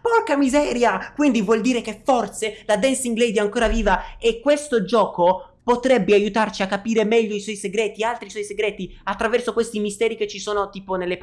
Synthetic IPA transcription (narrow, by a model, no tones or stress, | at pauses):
pɔkamizɛːɾjakwind̪ivwɔld̪iːɾekefːort̪selad̪ɛnsiŋɡlɛjd̪iɛaŋkoːɾaviːvaekːwest̪od͡ʒɔːko | pot̪ɾɛbːeajut̪art͡ʃiakːapiːɾemɛʎːoiswɔjseɡɾɛːt̪ialt̪ɾiswɔjseɡɾɛːt̪iat̪ːɾavɛrsokwest̪imist̪ɛːɾiket͡ʃːisoːnot̪iːponelːep